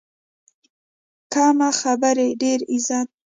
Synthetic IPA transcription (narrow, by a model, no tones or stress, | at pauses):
kɑmaxabaɾeɖeɾizɑt̪